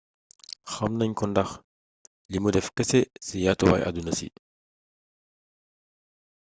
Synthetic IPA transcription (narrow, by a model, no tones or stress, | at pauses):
xɐmnɐɲkɔndɐx | limudɛfkɛsɛsijatowa̰jʔa̰dunɐsḭ